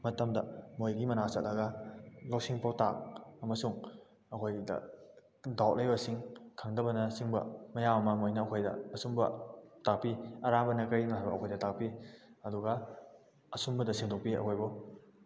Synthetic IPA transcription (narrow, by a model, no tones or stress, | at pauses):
mɐtɐmdɐmojɡimɐnasɐt̚lɐɡɐlok̚siŋpawtak̚ɐmɐsuŋ | ɐkʰojdɐ̰ | dawʔ̚lʔejbɐsiŋkʰaŋdɐbɐnɐsiŋbɐ̰mɐjamɐmɐmojnɐɐkʰojdɐ̰ɐsumbɐ̰tak̚piɐɾaŋbɐnɐkɐjimɐɦajbɐ̰ɐkʰojdɐtak̚piɐduɡɐ | ɐsumbɐdɐsiŋdɔk̚piɐ̰kʰojbu